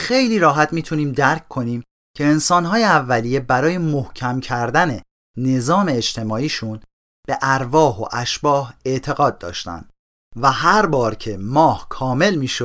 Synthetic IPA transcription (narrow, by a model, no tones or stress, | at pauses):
xe̞jliːɾɒːɦæt̪miːt̪ʰuniːmd̪æɾckʰkʰo̞niːm | cʰe̞ːnsɒːnɦɒːjeævːælije̞bæɾɒːje̞mohcʰæmcʰæɾd̪æne̞ | ne̞zɒːme̞ːd͡ʒt̪ʰe̞mɒːiːʃun | b̥e̞ʔæɾvɒːɦo̞̰ʔæʃb̥ɒːhe̞ʔt̪ʰe̞ɣɒːd̪̚ːɒ̰ːʃt̪æ̰nd̪̥ | væɦæɾbɒːɾcʰe̞mɒːhkʰɒːme̞lmiːʃo̥